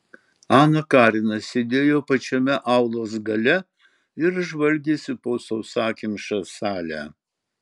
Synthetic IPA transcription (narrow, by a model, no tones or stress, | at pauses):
ɑːnɐkɑːɾʲɪnɐsʲed̪ʲeːjoːpɐt͡ʃʲɛmʲɛʔɑʊlˠoːsɡɐlʲɛ | ɪɾʒʋɐlʲɡʲeːsʲɪpoːsɐʊsɑːkʲimʃɐsɑːlʲæ̰ː